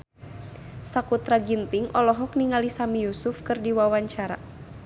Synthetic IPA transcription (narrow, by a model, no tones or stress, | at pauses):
sakut̪ɾaɡint̪iŋʔɔlɔɦɔkniŋalisamijusʊfkɨrdiwawaɲt͡ʃaɾa̰